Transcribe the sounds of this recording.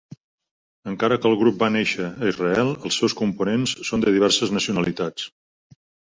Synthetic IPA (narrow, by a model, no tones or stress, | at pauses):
əŋkaɾəkəlˠɣɾup̚baneʃəːizrəɛlˠəlˠsːɛwskumpunensːond̪əðiβɛrsəznəsiunəlit̪at͡s